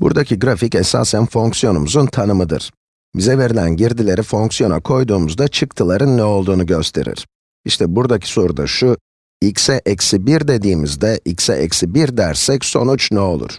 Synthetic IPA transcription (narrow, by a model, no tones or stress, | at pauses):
bṵɾd̪acʰiɡɾaficɛsa̰ːsænfo̞ŋksijo̞numuzunt̪ʰanɯmɯd̪ɯ̰ɾ̥ | bizɛve̞ɾilʲæ̰nɟiɾd̪ilʲe̞ɾifo̞ŋksijo̞na̰kʰo̞jd̪uːmuzd̪at͡ʃʰɯkt̪ʰɯlˠaɾɯnːɛo̞lˠd̪uːnuɟø̞st̪ʰe̞̰ɾḭɾ̥ | iʃt̪ʰɛbuɾd̪acʰi̥so̞ɾud̪a̰ʃu | icsɛʔɛcsibiɾd̪e̞d̪iːmizd̪ɛʔicsɛ̰ʔɛ̰csibiɾd̪æɾsɛcso̞̰nut͡ʃnɛo̞lˠṵɾ̥